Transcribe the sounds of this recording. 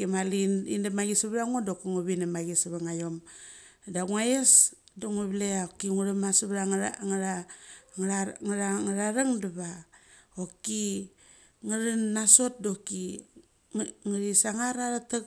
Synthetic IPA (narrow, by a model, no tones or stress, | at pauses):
kimalinḭnamaɡisaβɾaŋodokaŋoβinamaɡisaβaŋajo̞m | daɡuŋajes | doŋoβleaokiŋuɾamasaβɾaŋɾa | aŋaɾaŋaɾaɾaŋdaβaoki | ŋaɾanːaso̞t̚do̞ki | ŋaɾisaŋaɾaɾata